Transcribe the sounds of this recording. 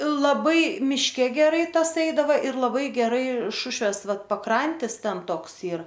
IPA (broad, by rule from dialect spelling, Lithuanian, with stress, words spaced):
lˠɐˈbɐɪ mʲɪʃʲˈkʲɛ ɡʲɛˈrɐɪ ˈtɐs ˈɛɪdɐʋɐ ɪr lˠɐˈbɐɪ ɡʲɛˈrɐɪ ˈʃʊʃʲʋʲeːs ˈʋɐt pɐˈkrɐnʲtʲɪs ˈtʲɛn ˈtoːks ˈiːr